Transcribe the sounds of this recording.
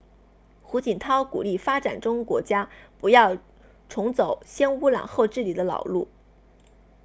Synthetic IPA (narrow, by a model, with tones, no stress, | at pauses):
xu˧˥t͡ɕi˨˩nt̪ʰɑ˥ʊkṵ˨˩li˥˩fa˥ʈ͡ʂa˨˩nʈ͡ʂʊ˥ŋkwɔ˧˥t͡ɕja˥pu˧˥jɑ˥˩ʊ | ʈ͡ʂʰʊ˧˥ŋt͡so˨˩˦ʊɕjɛ˥nu˧˥lɑ̰˨˩ŋxo˥˧ʊʈ͡ʂɻ̩˥˩li˨˩d̪ə˦lɑ̰˨˩ʊlu˥˩